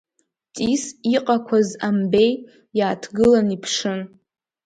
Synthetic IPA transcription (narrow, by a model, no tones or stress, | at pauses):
tʼisiqʼakʷʰazambe̞j | jaːtʰɡɨlanipʰʂɨn